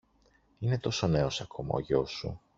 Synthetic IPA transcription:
ine̞t̪o̞so̞ne̞o̞sɐkʰo̞mɐ̰o̰ʝosṵ

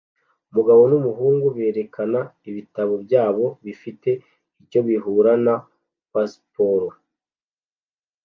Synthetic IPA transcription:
umuɡaβo̞numuɦuːŋɡuβe̞ːɾe̞kʰanaiβitaβo̞bɟaːβo̞βifite̞ | ico̞βiɦuɾana | paspoɾo

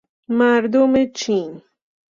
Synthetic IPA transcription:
maɾd̪ʊmɪt͡ʃiŋ

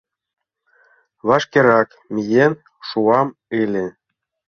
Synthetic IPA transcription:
βɑʃkeɾɑk | mʲijen | ʃuɑmelʲĕ

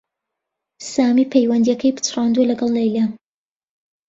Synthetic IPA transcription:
saːmiːpʰejwɐnd̪ijɐkʰɐjbɨ̥t̪ʰrɑːnd̪uɐlɐɡɐlˠlejla

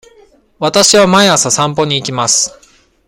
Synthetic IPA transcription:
βat̪aɕiβamaeasasãmpo̞ɲ̟iːkʲimasɨ̥

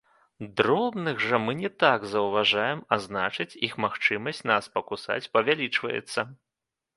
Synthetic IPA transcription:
d̪ɾɔbnɨɣʐɐmɨnʲɛt̪aɡzɐwvaʐajɛmaznat͡ʂɨt͡sʲixmaxt͡ʂɨmɐsʲtt͡sʲnaspɐkusa̰t͡sʲpɐvʲalʲit͡ʂvɐ̰jɛ̰t̪sːɐ

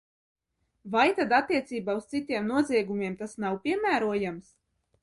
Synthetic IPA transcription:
vajt̪ad̪at̪ːiɛt̪siːbaust̪it̪ʲiɛmnuɔziɛɡumʲiɛmt̪asnawpʲiɛmæːɾuɔjams

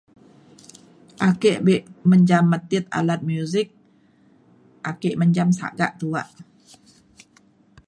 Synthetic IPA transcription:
ʔakeʔbeʔməɲd͡ʒamːat̪iət̪̚a̰lat̪̚mjuzik̚ | ʔakeʔməɲd͡ʒamsa̰ʔɡa̰ʔt̪uaʔ

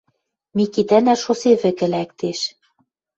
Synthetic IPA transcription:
mikit̪ænæʃoseβɘ̆kɘ̆læk̚t̪eʃ

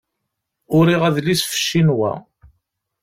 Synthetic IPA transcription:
ʊɾiʁæðlisfə̥ʃːinwæ̰

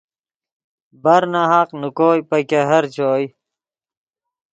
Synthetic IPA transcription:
bɐɾnaɦaqnukoːjpɐkeɦɐɾt͡ɕʰoːj

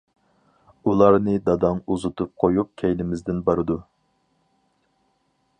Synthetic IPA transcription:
ulˠɑɾnɨd̪ɑd̪ɑŋuzut̪ʰup̚qʰojup̚kʲʰɛjlɪmɪzd̪ɪnbɑɾɨd̪u

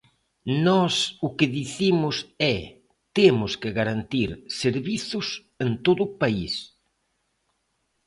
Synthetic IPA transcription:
nɔsʊkɪðiθimʊsɛ | t̪emʊskɪɣaɾant̪iɾseɾβiθʊs | ent̪oðʊpais

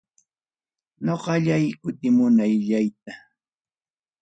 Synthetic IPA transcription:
ɲoqɑʎajkʊt̪ɪmʊnajʎajt̪̚a

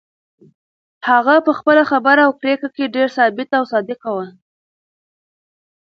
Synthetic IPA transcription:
haɣapəxpəlaxabəɾawkɾekakeɖeɾsɑbɪt̪awsɑd̪ɪkawəl

